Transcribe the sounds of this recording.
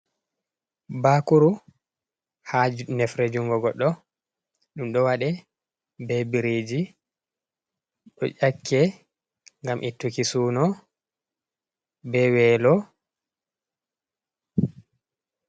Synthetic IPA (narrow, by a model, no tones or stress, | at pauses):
baːkuɾu | hanɛfɾed͡ʒuŋɡɔɡɔɗːɔ | ɗumɗɔwaɗɛ | bɛbiɾeːd͡ʒi | ɗɔ̰ʔakʰːɛ | ŋɡamʔitːukisuːnɔ | bɛwɛːlɔ